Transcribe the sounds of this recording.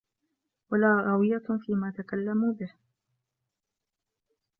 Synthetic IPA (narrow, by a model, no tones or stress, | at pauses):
walaːɾɑwɪjafiːmaːt̪akalːamuːbɪh